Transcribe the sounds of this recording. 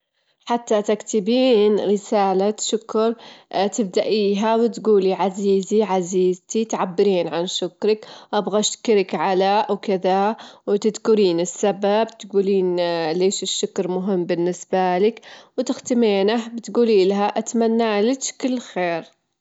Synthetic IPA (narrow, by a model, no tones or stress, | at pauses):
ħat̪ːat̪akt̪ɪbiːnɾɪsaːlaʃʊkɾˤt̪ɪb̚d̪aʔiːɦawɪt̪ɡuːliʕaziːziʕaziːzt̪it̪ʕabːɪɾiːnʕanʃʊkɾɪkʔabɣaʃkɪɾɪkʕalaʔwkɪðawt̪ɪd̪kʊɾiːnɪsːababt̪ɡuːliːnleːʃɪʃːʊkɾmʊɦɪmːbɪnːɪsbalɪkwt̪ɪxt̪ɪmeːnahbɪt̪ɡuːliːlaɦaʔat̪manːaːlɪt͡ʃkɪlːxeːɾ